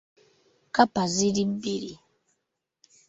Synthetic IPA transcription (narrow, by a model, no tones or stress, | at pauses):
kapaziɾibiɾi